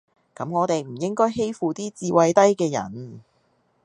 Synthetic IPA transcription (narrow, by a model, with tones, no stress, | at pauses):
kɐ˨˥mŋɔː˨˧t̪e˨jm̩˨˩jɪ˥ŋkɔː˥jɦe˥jfuː˨t̪iː˥t͡siː˧wɐ˧jt̪ɐ˥jkɛː˧jɐ̰˨˩n